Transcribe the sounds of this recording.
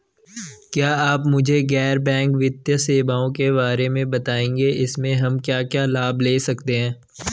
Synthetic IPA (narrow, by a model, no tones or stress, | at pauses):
kjaːaːpmʊd͡ʒʱeɡɛːɾbɛ̃ːŋkʋɪt̪jəseːbaːõkeβaːɾemẽbɐt̪aːẽːŋɡeɪsmẽɦɐmkjaːkjaːlaːbʱleːsɐkt̪eɦɛ̃ː